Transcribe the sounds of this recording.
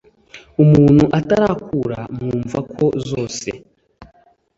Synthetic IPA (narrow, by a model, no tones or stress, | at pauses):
umuːn̤̥huʔataɾakʰuɾamŋuːɱvakʰo̞zoːsḛ